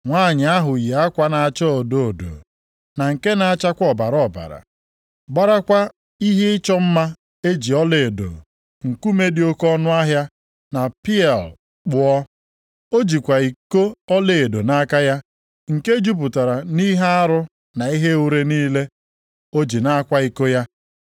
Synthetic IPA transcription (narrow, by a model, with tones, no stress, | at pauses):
ŋʷaː˦˨ɲɪ˨a˦ɦʊ˨ja˦kʷa˦na˨a˨t͡ʃɔ˦o˨do˦o˨do̰˨ | na˨ŋ̩˨ke˦na˨a˦˨t͡ʃa˦kʷɔ˨ba˨ɾɔ˦˨ba̰˨ɾa̰˨ | ɡ͡ba˦ɾa˦kʷa˦ | i˦ɦe˦ɪ˦t͡ʃɔ˦m̩˦ma˦ | e˦d͡ʒi˨ɔ˦le˨e˨do̰˨ | ŋ̩˨ku˦me˦di˨˦o˦kɔ˦nʊ˦a˦ɦja˦ | na˨pi˦ɛ˨l | k͡pʊ˨ɔ˦ | o˦d͡ʒi˨kʷa˨i˨ko˦ɔ˦le˨do˨na˦ka˦ja˦ | ŋ̩˨ke˦d͡ʒu˦p̬ʊ˨ta˨ɾa˨ni˦ɦa˦a˦ɾʊ˦ | na˨i˦ɦe˦u˦ɾe˦niː˦le˦ | o˦d͡ʒi˨na˦kʷa˦i˨ko˦ja˦